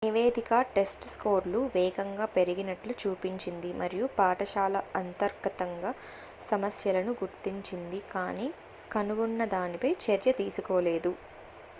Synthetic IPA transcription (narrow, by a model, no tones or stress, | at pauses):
niʋeːd̪ʱikɐʈe̞sʈskoːɾluʋɛːɡɐŋɡaːpe̞ɾiɡinɐʈlut͡ʃuːpiɲt͡ʃind̪imɐɾijupaːʈɐʃaːlɐɐnt̪ɐɾɡɐt̪ɐŋɡaː | sɐmɐsjɐlɐnuɡuɾt̪iɲt͡ʃind̪ikaːniː | kɐnuɡunːɐd̪aːnipɐjt͡ʃɐɾjɐt̪iːsukɔːleːd̪u